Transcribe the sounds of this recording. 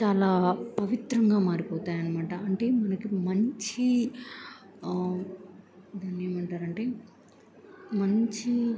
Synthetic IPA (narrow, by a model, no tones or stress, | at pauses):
t͡ʃaːlaːpɐʋit̪ɾɐŋɡaːmaːɾipɔːt̪aːjɐnimaːʈɐɐɳʈe̞ːmɐnɐkimɐɲt͡ʃi | id̪ɐneːmɐɳʈaːɾɐɳʈe̞ː | mɐɲt͡ʃi